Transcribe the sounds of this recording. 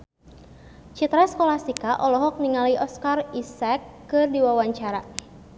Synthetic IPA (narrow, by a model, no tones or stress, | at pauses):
t͡ʃit̪ɾaskolahsikaʔɔlɔɦɔk̚niŋaliʔɔskarisɛkːɨrdiwawaɲt͡ʃaɾa